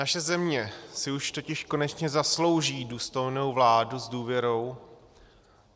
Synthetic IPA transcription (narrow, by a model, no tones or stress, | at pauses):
naʃɛzɛmɲɛsɪuʃt̪o̞cɪʃko̞nɛt͡ʃɲɛzaslo̞wʒiːduːst̪o̞jno̞wvlaːduzduːvjɛɾo̞w